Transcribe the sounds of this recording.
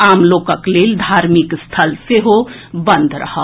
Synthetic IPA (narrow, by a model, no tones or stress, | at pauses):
aːmloːkəkleːld̪ʱaːɾmikst̪ʰəlseɦo | bə̃nd̪ʱɾə̰ɦə